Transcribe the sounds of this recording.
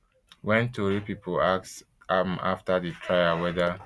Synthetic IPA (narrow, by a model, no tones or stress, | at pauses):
wɛ̃ntʰoɹipipʰolaks | ama̰ftaditʰɹajawɛda